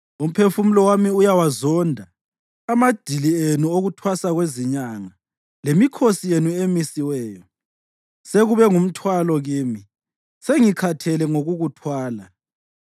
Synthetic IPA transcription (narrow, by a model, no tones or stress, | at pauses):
um̩pʰefumulɔwamiujawazɔndʱaː | mad̥ʱilienuoɣutʰwasaɣweziɲaŋa | lemikʰosijenuemisiwɛːjɔ | seɣuβɛŋum̩tʰwalɔɣiːmi | seŋikʰatʰɛlɛŋoɣuɣutʰwaːla